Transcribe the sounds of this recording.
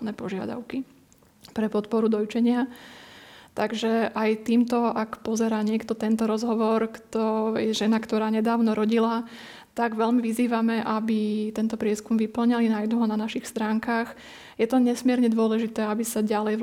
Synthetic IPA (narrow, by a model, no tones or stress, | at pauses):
nɛːpɔʒɪa̰d̪a̰ʊki | pɾɛpɔt̪pɔɾud̪ɔjt͡ʃɛɲɪa | t̪aɡʒɛʔajt̪iːmt̪ɔʔakpɔzɛɾaːɲɪɛkt̪ɔt̪ɛnt̪ɔɾɔzɦɔʋɔɾkt̪ɔjɛʒɛnakt̪ɔɾaːɲɛd̪aːʊnɔɾɔɟila | t̪aɡʋɛlmiʋiziːʋamɛʔabit̪ɛnt̪ɔpɾɪɛskumʋipl̩ɲalinajd̪uɦɔnanaʃixst̪ɾaːŋkax | jɛt̪ɔɲɛsmɪɛɾɲɛd̪ʊɔlɛʒit̪ɛːabisaɟalɛj